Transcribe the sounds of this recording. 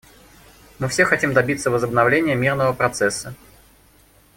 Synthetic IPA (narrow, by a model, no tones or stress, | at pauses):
mɨfsʲexɐtʲimd̪ɐbʲit̪sːəvəzəbnɐvlʲenʲɪjəmʲirnəvəpɾɐt̪sɛsːə